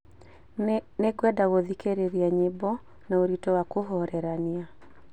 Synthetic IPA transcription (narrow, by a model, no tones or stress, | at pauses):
neɡwɛdaɣoðikeɾeɾiaɲebɔ | naoɾitɔwakoɦɔɾɛɾania